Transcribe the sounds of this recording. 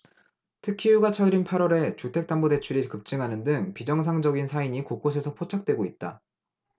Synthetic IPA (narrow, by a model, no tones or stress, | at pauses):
tʰɯkʰijuɡat͡ɕʰʌɾinpʰaɾʌɾe̞t͡ɕutʰe̞k̚t͈ambode̞t͡ɕʰuɾikɯp̚t͡ɕ͈ɯŋɦanɯndɯŋpid͡ʑʌŋs̬ʰaŋd͡ʑʌɡinsʰaiɲikok͈osʰe̞sʰʌpʰot͡ɕʰak̚t͈we̞ɡoit̚t͈a̰